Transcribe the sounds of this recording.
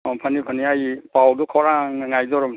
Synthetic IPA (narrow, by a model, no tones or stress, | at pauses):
ɔmpʰanipʰaniajpawdukʰɔɾaŋaŋajzɔɾɔm